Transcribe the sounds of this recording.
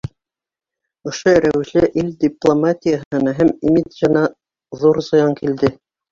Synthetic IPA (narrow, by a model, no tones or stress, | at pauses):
ŏʃoɾæwɘ̆ʃlæʔild̪ʲiplˠomatʲijaɦhɤ̆nɑɦæmimit̪zɤ̆nɑ | ðuɾzɤ̆jɑŋkild̪ɘ